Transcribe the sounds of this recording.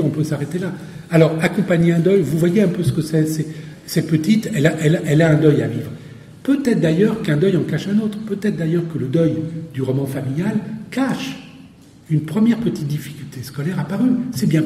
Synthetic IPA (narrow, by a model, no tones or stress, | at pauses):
ɔ̃pøsaʁet̪ela | alɔʁakɔ̃paɲeɛ̃d̪œjvuvwajeɛ̃pøsə̥kəsɛsɛsɛt̪̚pət̪it̪ɛlaʔɛlaʔɛlaɛ̃d̪œjavivʁ | pøt̪ɛt̪χd̪ajœʁkɛ̃d̪œjɑ̃kaʃɛ̃not̪χpøt̪ɛt̪χd̪ajœʁkələd̪œjd̪yʁɔmɑ̃familjalkaʃ | ynpχəmjɛʁpət̪it̪̚d̪ifi̥kʲylt̪ʰeskɔlɛʁapaʁysɛbjɛ̃